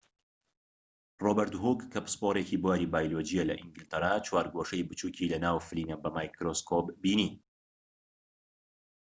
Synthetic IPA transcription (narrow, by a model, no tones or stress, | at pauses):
robəɾt̪ɦuɡkʰːɐpspoɾecibuwaːɾiːbaːjlod͡ʒijalɐ̰ʔiŋɡɪlt̪ɐɾaːt͡ʃwaːɾɡwoʃɐjbɨt͡ʃuːcʰilɐnaːwfɨliːnɐbɐmajkɾoskʰopbiːniː